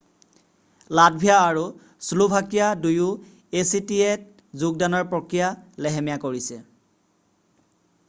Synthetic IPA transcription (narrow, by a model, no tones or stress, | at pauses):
lad̚bʱijaːɹu | sulubʱakijaduju | esitiet̚ | zuɡ̚danɔɹpɹɔkɹijalɛɦɛmijakoɹisɛ